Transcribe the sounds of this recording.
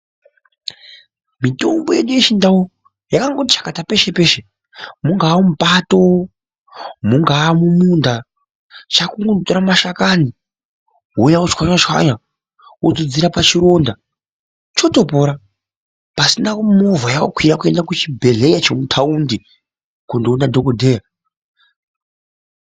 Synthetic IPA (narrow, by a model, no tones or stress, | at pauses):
mito̞mbojeɗujeʃindawo | jakaŋɡotit͡ʃḁkatape̞ʃe̞pe̞ʃe | muŋɡaːumupato | muŋɡaːmumunda | t͡ʃakuŋɡotoɾamaʃakani | ɦujaut͡ʃkwaɲat͡ʃwa̰ɲa | od͡zod͡ziɾapat͡ʃiɾo̞nda | t͡ʃo̞to̞po̞ɾa | pasinakumovajawokwiɾakue̞ndakut͡ʃibʱe̞ɮe̞jat͡ʃemutʰaundi | kondonadʱo̞kodʱe̞ːja